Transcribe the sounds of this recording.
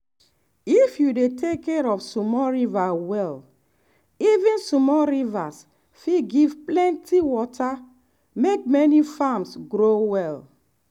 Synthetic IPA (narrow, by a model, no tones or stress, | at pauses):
ifjudetʰekːɛɹɔfsumɔɹivawɛl | ivĩnsumɔɹivas | fiɡivplɛ̃ntiwɔtʰa | mek̚mɛnifamsɡɾowɛl